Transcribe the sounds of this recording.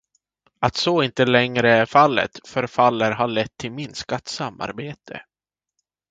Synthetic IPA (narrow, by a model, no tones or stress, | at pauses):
at̪soɪnt̪əlɛŋɾəæɾfalːə̰t̪fœɾfalːəɾɦaɭɛt̪ʰːɪlmɪnskat̪samːa̰ɾbeːt̪ʰə̰